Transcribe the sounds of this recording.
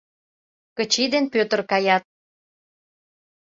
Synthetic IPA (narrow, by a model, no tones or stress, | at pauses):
kət͡ɕid̪enpøt̪ə̆rkɑjɑt̪̚